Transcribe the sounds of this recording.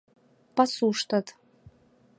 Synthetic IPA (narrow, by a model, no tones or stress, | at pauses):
pʼasuʂtʰatʰʼ